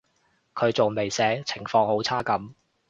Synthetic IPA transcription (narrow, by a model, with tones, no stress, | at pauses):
kʰɵ˨˧ɥt͡so˨wme˨jsɛː˨˥t͡sʰɪ˨˩ŋfɔː˧ŋho˨˥wt͡sʰaː˥kɐ˨˥m